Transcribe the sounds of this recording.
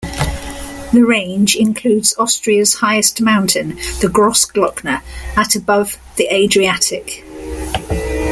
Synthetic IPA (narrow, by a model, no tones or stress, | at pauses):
ðəɹẽɪ̃nd͡ʒɪ̃nkʰl̥ʉːdz̥ɒstɹ̥iəz̥haɪɪstmãʊ̃ntʰɪ̃nðəɡɹɒsɡ̥lɒknəətəbʌv | ðiʔeɪdɹiatʰɪk